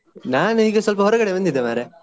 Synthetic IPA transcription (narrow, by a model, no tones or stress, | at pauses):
naːniːɡesʋɐlp̬ɐɦɔɾɐɡɐɽebɐnd̪id̪ːemaːɾe